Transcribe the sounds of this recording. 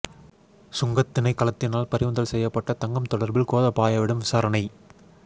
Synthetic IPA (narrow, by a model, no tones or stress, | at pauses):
sʊŋɡɐt̪ːɪnɐɪkːɐlɐt̪ːɪnaːlpɐɾɪʋɯnd̪ɐlsɛjːɐpːɐʈːɐt̪ɐŋɡɐmt̪ɔɽɐɾbɪlkoːðɐpaːjɐʋɪɽɯmʋɪsaːɾɐnɐɪ